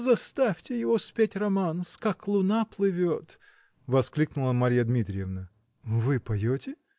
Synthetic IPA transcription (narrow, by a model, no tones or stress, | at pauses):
zɐst̪afʲtʲɪjɪvospʲetʲrɐmanskaklˠʊnaplˠɨvʲot̪ | vɐsklʲiknʊlˠəmɐɾʲijəd̪mʲit̪ɾʲɪjɛvnə | vɨpɐjotʲɪ